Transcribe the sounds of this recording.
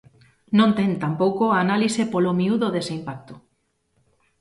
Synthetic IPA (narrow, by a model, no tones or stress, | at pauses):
nõnt̪ẽnt̪ampowkoaːnalisepolomiuðoðeseimpak̚t̪o̥